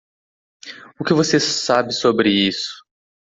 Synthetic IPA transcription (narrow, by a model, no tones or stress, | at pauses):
ʊkɪvosesabɪsobɾɪisʊ̥